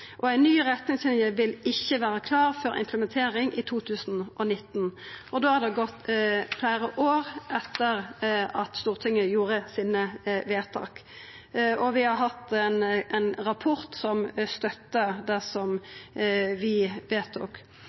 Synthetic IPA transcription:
ʔɔæɪnːyːɾɛt̪nɪŋsɪnjəʋɪlɪçːəʋæːɾəkʰlɑːʁfɔɾʔɪ̰mpʰləmɛnt̪ʰeːɾɪŋʔɪt̪ʰuːt̪ʰʉːsn̩ʔɔnɪt̪ːnʔɔd̪oːhɑd̪ɛɡɔt̪ːflæːɾəʔoːʁʔɛt̪ːəʁɑt̪st̪uːʁt̪ʰɪŋːəjuːɾəsiːnəʋeːt̪ʰɑ̰ːk | ɔʋɪhɑɾɦɑt̪ːɛnɛnɾɑpʰʊɾt̪sɔmst̪œt̪ːəd̪æsɔm | ʋɪʋeːt̪ʊ̰k

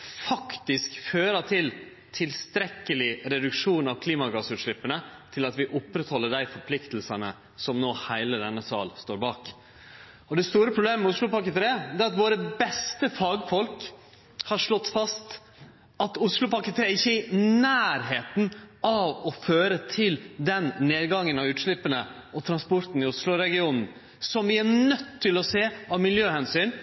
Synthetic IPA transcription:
fɑkt̪ɪskføːɾɑt̪ʰɪl | t̪ʰɪlst̪ɾɛkːəlɪɾɛd̪ʉkʂuːnɑʋkʰliːmɑɡɑsʉːt̪ʂɭɪpːənət̪ʰɪlɑt̪ʋɪʔʊpːɾɛt̪hɔlːəɖæɪfɔɾpʰlɪkt̪əl̩sənə | sɔmnoːhæɪləd̪ɛnːəsɑ̰ːlst̪oːɾbɑːk | ɔd̪ɛst̪uːɾəpʰɾʊbleːməmɛʊsɭʊpɑkət̪ʰɾeːd̪ɛːɾɑt̪ʋoːɾəbɛst̪əfɑːɡfɔlk | hɑɾʂɭɔt̪ːfɑst̪ | ɑt̪ʊslʊpɑkət̪ʰɾeːɪçːəɪnæːɾɦeːt̪nɑʋɔføːɾət̪ʰɪld̪ɛnneːd̪ɡɑŋːənɑʋʉːt̪ʂɭɪpːənə | ʔɔt̪ʰɾɑnspɔɾt̪n̩ɪʊslʊɾɛɡɪuːnn̩ | sɔmʋɪæɾnœt̪ʰːɪlɔseːɑʋmɪljøːhɛnsyːn

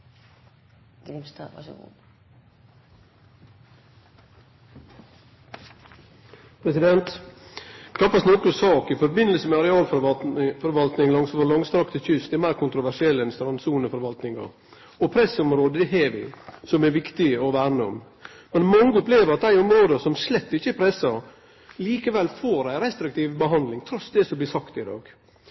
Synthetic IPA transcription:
t̪ | pʰɾɛsɪd̪ɛnt̪ | kʰɑpːɑsnɔkəsɑːkɪfɔɾbɪnəlsəmɛɑɾɛɑːlffɔɾʋɑlt̪nɪŋlɑŋsfɔlɑŋst̪ʰɾɑkt̪əçʏst̪ɛmæɪɾkʰʊnt̪ɾʊʋæʂɪɛlːəɪnst̪ɾɑnsuːnəfɔɾʋɑlt̪nɪŋɑ̰ɾ | ɔpʰɾɛsɔmɾoːd̪əd̪ɛɦeːʋɪ̰sɔmɛɾʋɪkt̪ɪɔʋæːɾnəɔ̰m | mɛnmɑŋːəɔpleːʋəɾɑt̪̚d̪æɪɔmɾoːd̪əsɔmslɛt̪ːɪçːəɛpʰɾɛsəɾ | liːkəʋɛlfoːɾæɪɾɛst̪ɾɪk̚t̪ʰiːʋbəɦɑnd̪lɪŋt̪ʰɾɔsd̪ɛsɔblɪːsɑkt̪ɪd̪ɑ̰ːɡ̥

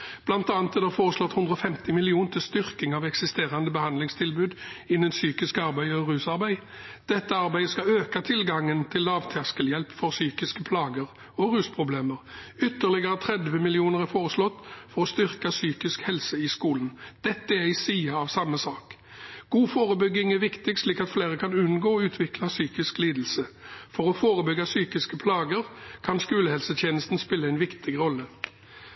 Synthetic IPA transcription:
b̥lɑnt̪ɑːnt̪ːɛd̪æɾfoːʁəslɔt̪ːhʉnd̪ɾɔfɛmt̪ɪmɪlɪuːnət̪ʰɪlst̪ʏʁkɪŋɑʋɛksɪst̪eːʁɑnd̪əbəhɑnd̪lɪŋst̪ʰɪlbʉːd̪ɪnːənsyːkɪskɑʁbæɪɔʁʉːsɑʁbæɪ | d̪̥ɛt̪ːəɑʁbæɪəskɑøːkɑt̪ʰɪlɡɑŋːənt̪ʰɪlːɑːʋt̪ʰɑskəljɛlpfɔʁsyːkɪskəpʰlɑːɡəʁ | ɔʁʉːspʰʁʊbleːməʁʏt̪ːəʁlɪɡəʁət̪ʰʁɛd̪ʋəmɪlɪuːnəʁæfoːʁəslɔt̪ːfɔʁɔst̪ʏʁkəsyːkɪskhɛlsəɪskuːlnd̪̥ɛt̪ːəæʁɪsiːɑɑʋsɑmːəsɑːk | ɡ̥uːfoːʁəbʏɡɪŋɛʋɪkt̪ɪɡsliːkɑt̪fleːʁəkʰɑnʉnɡoːɔʉːt̪ʰʋɪklɑsyːkɪskliːd̪l̩səfɔʁɔfoːʁəbʏɡɑsyːkɪskəpʰlɑːɡəʁkʰɑnskʉːləhɛlsət̪ʰjeːnəst̪n̩spɪlːəæɪnʋɪkt̪ʰɪɡʁɔlːə

